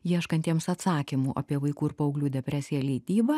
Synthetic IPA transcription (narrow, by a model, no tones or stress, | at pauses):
jiɛʃkɐnt̪ʲiɛmsɐt̪sɑːkʲimuːʔɐ̰pʲiɛʋɐɪkuːɪɾpɐɐʊɡlʲuːd̪ʲɛpʲɾʲæːsʲɪjɛlʲɛɪt̪ʲiːbɐ